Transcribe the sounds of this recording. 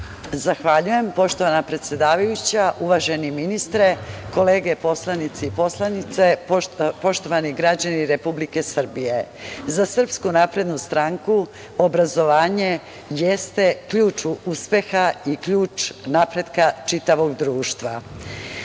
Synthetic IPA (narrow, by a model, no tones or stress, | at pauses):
zaxʋaʎuje̞mpo̞ʃt̪o̞ʋanapɾe̞t̪sʲje̞d̪aːʋajut͡ɕaʔuʋaʒe̞niminist̪ɾe̞ko̞le̞ːɡe̞po̞slˠanit̪seipo̞slˠanit̪sepo̞ʃt̪o̞ʋaniɡɾad͡ʑaniɾe̞publike̞sr̩bije̞zasr̩pskunapɾe̞d̪nust̪ɾaŋku | obɾazo̞ʋaːɲe̞ | jest̪e̞kʎuːt͡ʃuuspe̞xaikʎuːt͡ʃnapɾe̞d̪kat͡ʂit̪aʋo̞ɡd̪ɾuːʃt̪ʋa